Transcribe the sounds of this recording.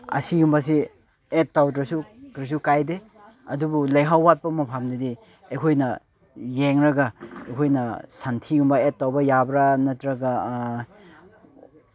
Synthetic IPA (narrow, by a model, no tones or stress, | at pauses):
ɐ̰siɡumbɐs̬i | et̚tːawt̬ɾɐsukɾis̬ukajde | ɐdubulɐjɦawːat̚pɐmɐpʰamdidi | ejkʰojnɐ | jeŋɾɐɡaejkʰojnɐsantʰiɡumbɐet̚ːawbɐjabɾanɐtɾɐɡa